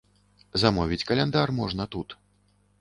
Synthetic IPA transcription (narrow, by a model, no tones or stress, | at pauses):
zamɔvʲit͡sʲkɐlʲɛnd̪armɔʐnɐt̪ut̪